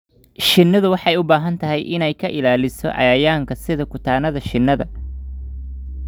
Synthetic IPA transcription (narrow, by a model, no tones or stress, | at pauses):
ʃɪnːɐðʊwɑħɑjʊbaːɦɐnt̪ʰɐɦɛjʔɪnɛjkʰɐʔɪlaːlɪsɔ̰ʔɑ̰jɐjaːŋkʰɐsɪðɐkʊt̪ʰaːnɐðɐʃɪnːɐðɐ̰